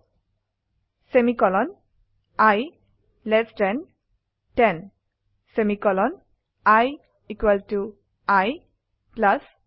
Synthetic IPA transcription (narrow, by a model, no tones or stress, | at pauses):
semikɔlɔn | aj | lɛstɛn | tɛn | semikɔlɔn | aj | ikwɛltu | aj | plas